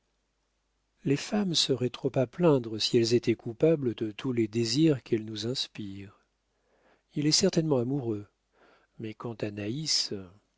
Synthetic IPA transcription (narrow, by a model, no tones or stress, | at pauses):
lefamsəʁɛt̪χopaplɛ̃d̪ʁəsiɛlzet̪ʰɛkupabləd̪ət̪ʰuled̪eziʁkʰɛlnuzɛ̃spiːʁ | ilɛsɛʁt̪ɛnmɑ̃amuʁø | mɛkɑ̃t̪anais